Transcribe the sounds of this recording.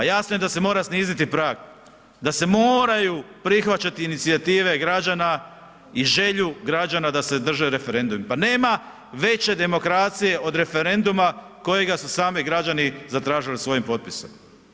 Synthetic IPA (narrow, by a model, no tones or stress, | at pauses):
ajasnoje̞d̪ase̞mo̞ːɾasniːzit̪ipɾaːɡ | d̪ase̞moːɾajupɾixʋat͡ɕat̪iːnit̪siat̪iːʋe̞ɡɾad͡ʒana | iʒe̞ʎuɡɾad͡ʒanad̪ase̞d̪r̩ʒeɾe̞fe̞ɾe̞nd̪ummpane̞ːma | ʋe̞t͡ɕe̞d̪e̞mo̞kɾat̪sije̞ʔo̞d̪ɾe̞fe̞ɾe̞nd̪uma | ko̞je̞ɡasusaːmiɡɾad͡ʑanizat̪ɾaːʒilisʋo̞jimpo̞t̪̚pisom